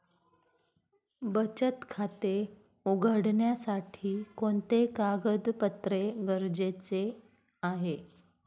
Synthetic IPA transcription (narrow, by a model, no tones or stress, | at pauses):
bət͡ɕət̪kʰat̪e | uɡʱəɽɳjasaʈʰiːkont̪ekaɡəd̪pət̪ɾeɡəɾd͡ʑet͡se | aɦe